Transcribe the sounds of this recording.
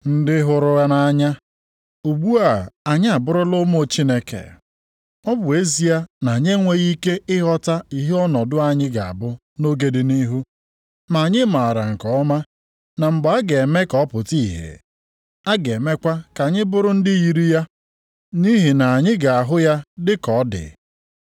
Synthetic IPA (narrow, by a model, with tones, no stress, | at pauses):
n̩˦dɪ˦ɦʊ˨ɾʊ˦a˦na˦ɲa˦ | u˨ɡ͡bu˦a˦˨a˨ɲɪ˦a˨bʊ˦ɾʊ˦lʊ˦mo˦t͡ʃi˦ne˦kḛ˨ | ɔ˦bʊ˨e˦zi˦a˦na˨ɲe˦ŋʷe˦ɣi˦ke˦ɪ˦ɦɔ˦ta˦i˦ɦe˦ɔ˦nɔ˨dʊ˦a˨ɲɪ˦ɡa˨a̰˨bʊ˦ | no˦ɡe˨dɪ˨ni˦ɦu˦ | ma˨a˨ɲɪ˦ma˨a˨ɾa˨ŋ̩˨kɔ˨ɔ˦ma˦ | na˨ŋ͡m̩˨ɡ͡ba˨a˦ɡe˨me˦kɔ˦pʊ˨ti˦˨ɦḛ˨ | a˦ɡe˨me˦kʷa˦ka˨ɲɪ˦bʊ˦ɾʊ˦n̩˦dɪ˦ji˨ɾi˦ja˦ | ni˦ɦi˨na˨a˨ɲɪ˦ɡa˨a˨ɦʊ˦ja˦dɪ˦kɔ˨˦dɪ̰˨